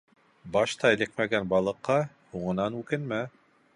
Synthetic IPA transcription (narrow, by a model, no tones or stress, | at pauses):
bɑʃt̪ɑɘ̆lɘkmæɡænbɑlˠɤ̆qːɑ | huʁɤ̆nɑnʉkɘnmæ